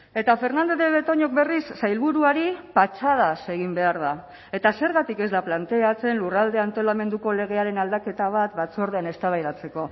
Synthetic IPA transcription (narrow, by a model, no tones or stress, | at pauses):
e̞t̪afe̞ɾnand̪o̞ðeβe̞t̪o̞ɲo̞k̚be̞risːajlβuɾuaɾipat͡ʃað̞ase̞ɣimbe̞aɾð̞a | e̞t̪ase̞ɾɣat̪ike̞zðaplant̪e̞at͡se̞nlurald̪e̞ant̪o̞lame̞nd̪uko̞le̞ɣ̞e̞aɾe̞nald̪ake̞t̪aβ̞at̪bat͡so̞ɾð̞e̞ane̞st̪aβajðat͡se̞ko̞